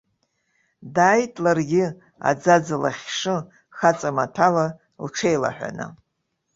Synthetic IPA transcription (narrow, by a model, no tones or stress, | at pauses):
daːjtʼlarɡʲɪ | a̰d͡zad͡zala̰χʲʂɨ | χat͡sʼamatʰala | lʈ͡ʂʰe̞jla̰ħʷᶣa̰nɨ̰